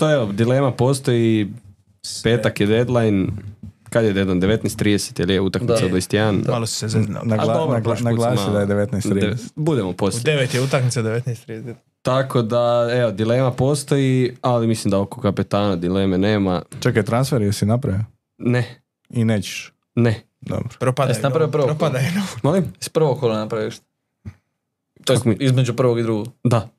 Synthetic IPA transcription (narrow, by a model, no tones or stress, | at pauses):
t̪oeʋod̪ile̞ːmapo̞st̪o̞ji | peːt̪akjed̪ed̪lˠajn | kad̪jed̪ed̪lajnd̪eʋet̪nest̪ːɾiːd̪ese̥t̪ilijeut̪akmisad̪ojst̪ianmalossezḛaɡaoʃnaɡlaːid̪ajed̪eʋet̪najst̪ːɾibud̪emoposd̪eʋet̪jeut̪akmit̪sad̪eʋet̪nːst̪ɾiset̪ | t̪akʰo̞d̪aeʋod̪ile̞ːmapo̞st̪o̞jialimislimd̪aokokapit̪aːnad̪ileːmeneːmat͡ʃaket̪ɾansfeɾjeɾsinapɾaʋio | ne | ineːt͡ɕe̥ʃ | ne | d̪o̰bɾo̥pɾopaesinapɾaʋiopɾʋoɾopad̪ajnomolimspɾʋokkolˠanapɾajiʃt̪ | t͡ʃakizmed͡ʒupɾ̩ʋoɡid̪ɾuɡoɡd̪a